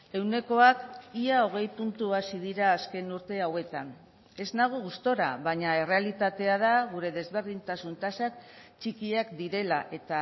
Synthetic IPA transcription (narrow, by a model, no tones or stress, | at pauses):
e̞wne̞ko̞akiao̞ɣ̞e̞jpunt̪uasið̞iɾaːske̞nuɾt̪e̞awe̞t̪an | e̞znaɣ̞oɣust̪o̞ɾa̰βaɲae̞re̞alit̪at̪e̞að̞aɣ̞uɾe̞ðe̞zβe̞ɾðint̪asunt̪asak̚t͡ʃikiakd̪iɾe̞laʔe̞t̪a